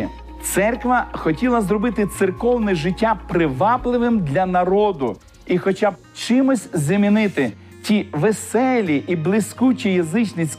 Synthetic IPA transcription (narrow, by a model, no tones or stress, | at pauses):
t̪sɛrkʋɐxɔtʲilˠɐzrɔbɪt̪ɪt̪sɪrkɔwnɛʒɪtʲːapɾɪʋɑplˠɪʋɪmd̪lʲɐnɐɾɔd̪ʊ | ixɔt͡ʃab̚ | t͡ʃɪmʊsʲzʲɐmʲinɪt̪ɪ | tʲiʋesɛlʲiʔiblˠɪsʲkut͡ʃijɐzɪt͡ʃnisʲ